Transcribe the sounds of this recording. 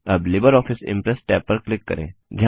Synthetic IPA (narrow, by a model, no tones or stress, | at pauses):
ɐblɪbəɾɔːfʰɪsɪ̰̃mpɾɛsʈɛːpːɐɾklɪkːɐ̰ɾḛ̃ːd͡ʒɐɦ